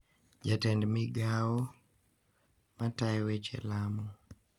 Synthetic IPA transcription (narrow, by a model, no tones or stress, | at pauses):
d͡ʒatɛndmɪɡawɔ | matajwet͡ʃɛ̰lamɔ